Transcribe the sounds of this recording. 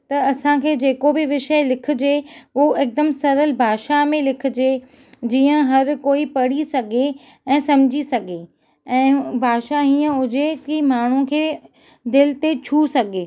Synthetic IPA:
t̪ɐɐsãkʰeːd͡ʑeːkobɪʋɪʃəlɪkʰɪ̆d͡ʑeʊɦoɪk̚d̪əmsɐɾəlbʱaːʃamẽlɪkʰɪ̆d͡ʑeː | d͡ʑiːə̃ɦɐɾkoːipɐɽ̤isɐɡʱe | ɛ̃ːsɐmd͡ʑʱisɐɡʱe | ɛ̃ːbʱaːʃaɦĩːə̃ʊd͡ʑekimaːɳ̤ũkʰeː | d̪ɪlɪt̪et͡ɕʰusɐɡʱeː

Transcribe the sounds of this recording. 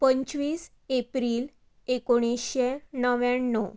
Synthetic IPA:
pəɲt͡ɕʋiːs | epɾiːl | ekoɽ̃isɕenəʋjanːɔ

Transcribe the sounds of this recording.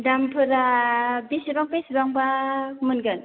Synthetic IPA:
dampʰɯɾabisibaŋpesbaŋbamɯnɡɯn

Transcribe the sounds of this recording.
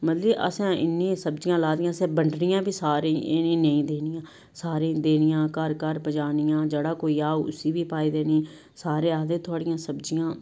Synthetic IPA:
mət̪ləʔə̰sɛ̃ːɪ̰nːĩːsəbd͡ʒɪjãːlaːd̪ɪjãːsɛ̃ːbəɳɖnɪjãːbʱiːsaːɾĩːʔɪnĩːnəĩːd̪eːnɪjãː | saːɾẽːd̪eːnɪjãːkəɾkəɾpəd͡ʒaːnɪjãːd͡ʒəɽaːkoːiːaːoːʊ̰siːbʱiːpaːiːd̪eːnĩː | saːɾẽːaːd̪ẽːt̪ʰoːɽɪjãːsəbd͡ʒɪjãː

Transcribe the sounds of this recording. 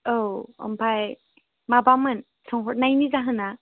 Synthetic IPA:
owɔ̰mpʰaj | mabamɯn | sʰɔŋɦɔt̚najnizaɦɯna

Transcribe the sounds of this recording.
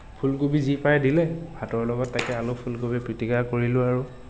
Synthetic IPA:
pʰulkubizipajdilɛbʱatɔɹlɔɡɔtːajkɛalʊpʰulkobipɹitikakoɹilʊ̃aɹʊ

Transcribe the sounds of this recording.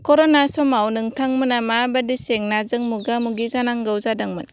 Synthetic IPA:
kɔɾɔnasɔmawnɯŋtʰaŋmɯnamabadiseŋnazɯŋmuɡamuɡizanaŋɡawzadaŋmɯn

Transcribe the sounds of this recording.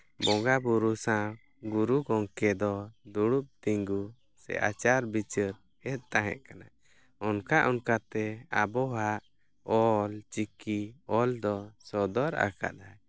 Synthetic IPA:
bɔŋɡabuɾusã | ɡuɾuɡɔŋkɛd̪ɔd̪uɽup̚t̪iŋɡu | sɛ̰ʔa̰t͡ʃaɾbit͡ʃəɾ | ɛt̪̚t̪aɦɛ̰̃ʔkana | ɔnkaʔɔnkat̪ɛabɔɦaʔ | ɔlt͡ʃikiɔld̪ɔsɔd̪ɔɾa̰ka̰ʔ̪aj

